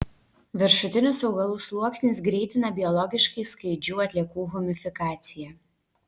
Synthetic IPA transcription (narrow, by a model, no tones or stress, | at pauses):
ʋʲɪɾʃʊt̪ʲɪnʲʊsɒʊɡɐlˠuːslˠuɔksʲnʲesɡɾʲɛːɪt̪ʲɪnɐbʲɪɔlˠɔɡʲɪʃkɐɪskɐɪd͡ʒʲuːɐt̪ʲlʲiɛkuːɣʊmʲɪfʲɪkɑːt̪sʲɪjɛ